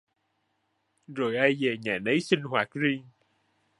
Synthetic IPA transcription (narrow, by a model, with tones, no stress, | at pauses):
zo˨˩jʔa˧jve˨˩ɲaː˨˩nə˨˦jsï˧ŋhwaː˨˩t̚zi˧əŋ